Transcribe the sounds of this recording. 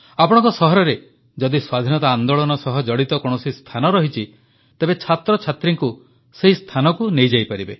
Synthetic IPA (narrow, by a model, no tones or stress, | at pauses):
apɔɽ̃ɔ̃ŋkɔsɔɦɔɾɔɾe | d͡ʒɔd̪iswad̪ʱinɔt̪aand̪oɭɔnɔsɔɦɔd͡ʒɔɽit̪ɔkɔɽ̃ɔsist̪ʰanɔɾɔɦit͡ʃʰi | t̪ebet͡ʃʰat̪ɾɔt͡ʃʰat̪ɾiŋku | seɦist̪ʰanɔkunejd͡ʒajpaɾibe